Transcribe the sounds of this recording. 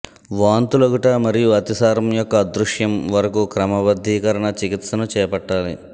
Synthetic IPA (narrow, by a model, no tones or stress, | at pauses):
ʋaːnt̪uloɡɐʈɐmɐɾijuɐt̪isaːɾɐmjɔkːɐd̪ɾuʂjɐmʋɐɾɐkukɾɐmɐʋɐd̪ʱːiːkɐɾɐɳɐt͡ʃikit̪sɐnut͡ʃɛːpɐʈːaːli